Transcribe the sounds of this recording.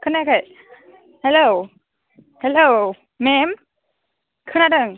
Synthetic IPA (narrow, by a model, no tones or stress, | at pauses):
kʰɯnakʰaj | hɛlow | hɛlow | mem | kʰɯnadɯŋ